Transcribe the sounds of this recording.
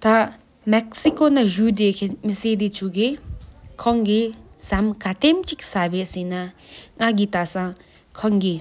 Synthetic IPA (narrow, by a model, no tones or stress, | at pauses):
t̪a | mɛk̚sikonaʑud̪ekʰemiseːd̪it͡ɕʰuɡikʰɔŋɡisamkat̪emt͡ɕiksabeʔsinaŋaɡit̪asãŋ | kʰɔŋɡi